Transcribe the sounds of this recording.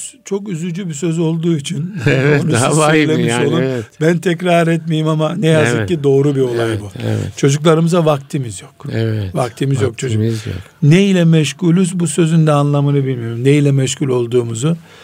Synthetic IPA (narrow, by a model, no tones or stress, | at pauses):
t͡ʃʰo̞kyzyd͡ʒybisø̞zo̞lˠd̪uːit͡ʃʰinonuøjlʲe̞miʃo̞lˠumbænt̪ʰɛcɾaɾɛt̪mejimamanɛjazɯkcːid̪o̞ːɾubio̞llˠajbuɛ̰ɛ̰t͡ʃʰo̞d͡ʒuklˠaɾɯmɯzavak̚t̪ʰimizjo̞kɛvɛvakt̪ʰimizjok̚t͡ʃʰo̞d͡ʒujo̰ | neilʲɛmɛʃkulʲyzbusø̞zynd̪ɛanlˠamɯnɯbilʲmijo̞ɾumneilʲɛmɛʃcʰulʲo̞lˠd̪uːmuzu